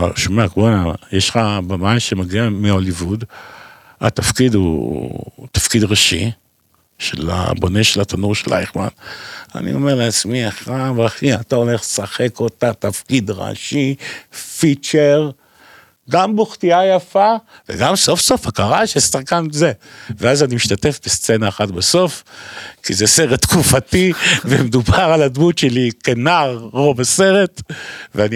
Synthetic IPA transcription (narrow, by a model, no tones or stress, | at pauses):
ʃomeakbonajeʃχabamajmʃemaɡiameolivud̪ | a̰t̪afkid̪ṵ | t̪ḁfkid̪ʁaʃḭ | ʃela̰bo̞ne̞ʃelat̪anuʁʃelʔa̰jiχma̰na̰nḭo̞̰meʁleat͡smiaχavaχiat̪aoleχlesaχe̞kot̪at̪afkid̪ʁa̰ʃifit͡ʃeʁ | ɡamboχt̪iajafavḛɡamso̞fsofakaʁaʃesaχkanzeveazanimiʃtate̞fbest͡se̞naːχatbeso̞fkizese̞ʁet̪ːkufativemed̪ubaʁaladmutʃelikenaʁːovase̞ʁetveani